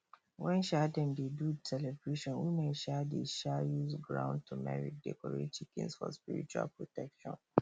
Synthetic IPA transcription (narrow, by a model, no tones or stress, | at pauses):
wɛ̃nʃɛdɛ̃mdedutɛlɛvɹeʃɔ̃nwimeʃɛdeʃɛjuzɡɹã̰ʊ̃n̚tʰumɛ̰ɹḭk̚dɛ̰kɔɹḛt̚t͡ʃikɛ̰̃nsfɔ̰spiɹḭt͡ʃua̰lpɹɔtʰɛkʃɔ̰̃n